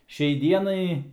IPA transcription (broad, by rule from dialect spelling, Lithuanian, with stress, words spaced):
ˈʃʲɛɪ ˈdʲiɛnɐɪ